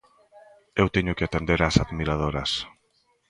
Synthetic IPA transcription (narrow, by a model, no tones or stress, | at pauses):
ewt̪eɲʊkɪat̪end̪eɾasaðmiɾað̞oɾas